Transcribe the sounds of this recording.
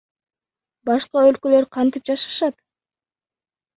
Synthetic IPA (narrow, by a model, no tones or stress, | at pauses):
bɑʃqɑølkø̞lø̞ɾqʰɑnt̪ip̚d͡ʒɑʃɑ̥ʃɑt̪